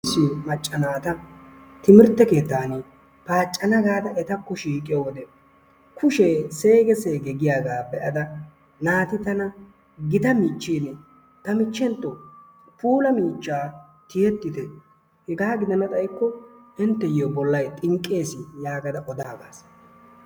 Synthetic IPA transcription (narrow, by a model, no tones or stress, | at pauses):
sːɪjmɐt͡ʃʼːɐnaːt̪ɐ | t̪ɪmɪɾt̪ːɛke̞ːt̪ːaːne | paːt͡ʃʼːɐnɐɡaːd̪ɐʔɛt̪ɐkːɔʃiːkʼɪjɔwɔd̪ɛ | kʰʊʃese̞ːɡɛseːɡɛɡɪjaːɡaːbɛʔɐd̪ɐ | naːt̪ɪt̪ɐnɐ | ɡɪt̪ɐmiːt͡ʃːiːn | t̪ɐmɪt͡ʃːɛnt̪ːɔ | pʰuːlɐmiːt͡ʃːaː | t̪ɪjɛt̪ːɪt̪ɛ | hɛɡaːɡɪd̪ɐnɐt̪ʼɐjkːɔɪnt̪ːɛjobɔlːɐjt̪ʼɪŋkʼːe̞ːsɪjaːɡɐd̪ɐʔɔd̪aːɡaːs